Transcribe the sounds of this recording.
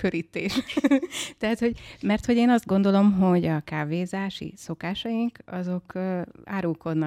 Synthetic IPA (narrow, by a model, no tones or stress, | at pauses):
køɾit̪ːeːʃ | t̪ɛɦat̪hoɟmɛrt̪ho̞ɟeːnɒzd̪ɡo̞nd̪o̞lo̞mɦo̞ɟɒkaːveːzaːʃḭso̞kaːʃɒjiŋkɒzo̞ka̰ːɾulko̞d̪nɒ